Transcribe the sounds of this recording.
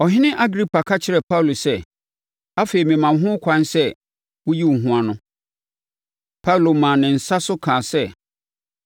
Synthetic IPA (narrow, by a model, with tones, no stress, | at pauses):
ɔ˨ɦɪ̃˦nɪ̃˦ʔa˦ɡɾi˦pʰa˨kʰa˦t͡ɕʰɪ˦ɾɛ˨pʰa˦wlo˨sɛ˦ | a˦fe˨i˨mɪ̃˨mã˨˦ɦʊ̃˦kʷʰã˦nsɛ˦ | wʊ˦ji˦˨ɦũ˦a˨nʊ̃˨ | pʰa˦u˨lo˨mã˨nɪ̃˨n̩˨sa˦sʊ˦kʰãː˨sɛ˦